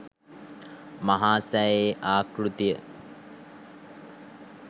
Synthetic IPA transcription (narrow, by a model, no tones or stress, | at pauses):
maɦaːsæːeːʔaːkrut̪ijə